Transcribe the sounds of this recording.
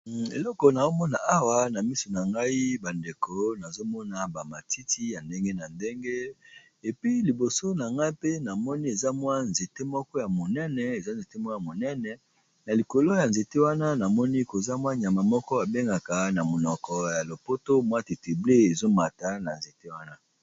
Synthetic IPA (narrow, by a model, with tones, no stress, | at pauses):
ḛ˨lɔ˦kɔ˨na˨zo˦mɔ˦na˨ʔa˦wa˦na˨mi˦so˨na˨ŋɡa˦i˦ba˨nde˨ko˦na˨zo˦mɔ˦na˨ba˨ma˨ti˦ti˦ja˨nde˦ŋɡe˦na˨nde˦ŋɡe˦ | e˨pi˦li˨bo˨so˦na˨ŋɡa˦i˦pe˦na˨mɔ˦ni˦e˨za˦mwa˦nze˨te˦mɔ˦kɔ˦ja˨mo˨nɛ˦nɛ˨e˨za˦n˨ze˨te˦mwa˦ja˨mo˨nɛ˦nɛ˨ | na˨li˨ko˨lo˦ja˨nze˨te˦wa˦na˦na˨mɔ˦ni˦ko˨za˦mwa˦ɲ˨a˨ma˨mɔ˦kɔ˦a˨be˦ŋɡa˨ka˨na˨mo˨nɔ˨kɔ˨ja˨lo˨po˦to˦mwa˦ti˨ti˨ble˦e˨zo˦ma˨ta˦na˨nze˨te˦wa˦na˦